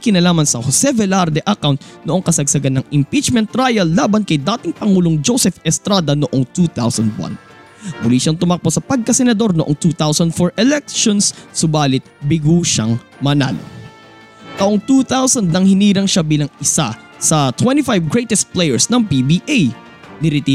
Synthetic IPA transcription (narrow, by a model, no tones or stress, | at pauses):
kɪnɐlaːmɐnsɐhosɛvɛlaɾd̪ɛʔɐkawnt̪̚noʔo̞ŋkɐsɐɡsɐɡanɐŋɪmpit͡ʃmɛ̃nt̪ːɾajɐlːaːbɐnkɐjd̪aːt̪ɪŋpɐŋuːloŋd͡ʒosɛfɛst̪ɾad̪ɐnoʔoŋt̪ut̪awsɐnd̪wɐ̰n | mʊliʃɐŋt̪ʊmɐk̚posɐpɐɡ̚kɐsɛnɐd̪o̞ɾnoʔoŋt̪uːt̪awsɐnd̪foɹʔɛlɛk̚ʃonsːʊbaːlɪt̪̚bɪɡuːʃa̰ŋ | mɐna̰lo̰ | t̪ɐʔoŋt̪uːt̪awsɐnd̪̚nɐŋhɪniːɾɐŋʃabiːlɐŋɪsa̰ | sɐt̪wɛnt̪ifajvɡɹɛjt̪ɛst̪̚plɛjɛɹsnɐŋpibiʔaj | nɪɾit̪i